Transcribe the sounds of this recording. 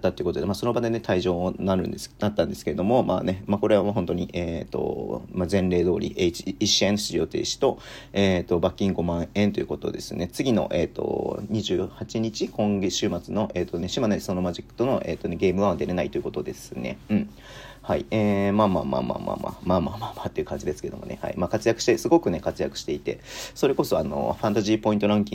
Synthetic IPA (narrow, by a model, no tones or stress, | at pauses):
at̪ːat̪oiɯ̟kot̪od̪emaːso̞no̞bad̪e̞ne̞t̪ʰaiʑo̞ːnaɾɯ̟̃nd̪enat̪ːãnd̪e̞sɨ̥ke̞ɾed̪o̞mo̞ma̰ːne̞mako̞ɾe̞βaɦont̪o̞ɲ̟iʔeːt̪o̞̰mazẽ̞nɾe̞ːd̪o̞ːɾʲḭʔet͡ɕiiɕiẽñɕijo̞t̪e̞̰ːɕi̥t̪o̞ | eːt̪o̞bakʲːĩŋɡo̞mãɰ̃ẽ̞nt̪o̞jiɯ̟ko̞t̪o̞̰d̪e̞sɨne̞t͡sɨɡʲino̞̰ʔe̞ːt̪o̞̰ɲ̟iʑɨːhat͡ɕiɲ̟it͡ɕikõ̞ŋɡeɕɨːmat͡sɨno̞ʔeːt̪ːo̞neɕimanso̞no̞maʑikːɯ̥t̪o̞no̞ʔe̞ːt̪ːo̞ne̞ɡe̞ːmɯ̟βad̪e̞ɾe̞nait̪o̞jɯ̟ko̞t̪o̞d̪e̞sɨne̞̰ɯ̟̃ɴ | haḭeːmaːma̰ːma̰ːma̰ːma̰ːma̰maːmaːmaːmat̪ːeiɯ̟kãɲ̟d͡ʑid̪e̞sɨ̥ke̞d̪o̞mo̞̰ne̞̰ha̰ḭmaːkat͡sɨjakɯ̟ɕi̥t̪esɨɡo̞kɯ̟ne̞kat͡sɨjakɯ̟ɕi̥t̪e̞it̪e̞̰so̞ɾe̞ko̞so̞ano̞̰ɸãnt̪aʑiːpo̞ĩnt̪oɾãŋkʲḭ̃ŋ